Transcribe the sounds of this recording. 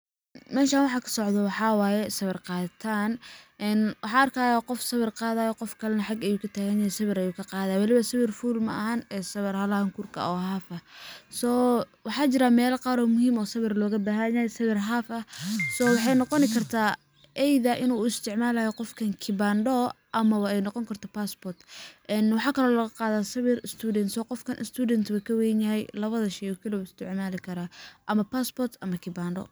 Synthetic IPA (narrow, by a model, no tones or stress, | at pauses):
mɛːʃaːnwɑħɑkʰɐ̥sɔʕd̪ɔwɑħɑːwaːjɛsɐβɪrqɑːðɐt̪ʰaːnʔɛnwʔɑħɑːɐrkʰaːjaqɔfsɐβɪrqɑːðaːjɔqɔfkʰɐlɐnɐħɑɡɛjuːkʰɐt̪ʰaːɣɐɲajɛsɐβɪɾɐjuːkʰɐqɑːðaːjwɑlɪβɐsɐβɪrfuːlmɐʔɐhɐnɛːsɐβɪrhɐlɐhɐŋkʰurkʰɐ̰ɔːɦaːfɐsɔː | wɑħɑːt͡ʃɪɾamɛːlqɑːɾɔːmʊhiːmɔːsɐβɪrlɔːɣɐbaːɦɐɲajsɐβɪrɦaːfɐsɔːwɑħɑjnɔqɔnɪkʰɐrt̪ʰaː | ʔɛjðɐʔɪnuːɪst̪ʰɪʕmaːlɐhɛqɔfkʰɐŋkʰɪbaːnɖɔ | ʔɐmɐwɑɛjnɔqɔŋkʰɐrt̪ʰɐpaːsbɔrt̪ʔɛnwɑħɑːkʰɐlɔːlɐɣɐqɑːðaːsɐβɪrɪst̪ʰuːdɛnsɔːqɔfkʰɐnʔɪ̰st̪ʰuːdɛnt̪ʰβɐkʰɐwɛnjɐɦɛjlɐβɐðɐʃɛjɔkʰɐlɔɪst̪ʰɪʕmaːlɪkʰɐɾaːʔɐmɐpʰaːsbɔrt̪ʰɐmɐkʰɪbaːnɖɔ̰